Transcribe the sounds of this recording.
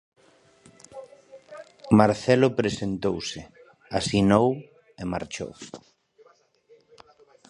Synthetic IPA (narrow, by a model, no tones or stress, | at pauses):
maɾθɛlʊpɾesent̪owsɪ | asinow | emaɾt͡ʃo̰w